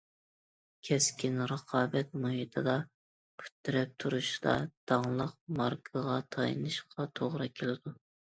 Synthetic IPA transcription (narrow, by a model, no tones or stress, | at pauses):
kʲʰɛskʲʰinɾəqʰɑːbɛt̪̚moɦid̪ʰɨd̪ɑ | pʰy̥t̪ːyɾɛp̚t̪ʰuɾuʃd̪ɑ̰d̪̥ɑŋlˠəq̚mɑɾkʰɑʁɑt̪ʰɑjɨ̰nɨʃqʰɑt̪ʰoʁɾɨkʲʰelɪd̪u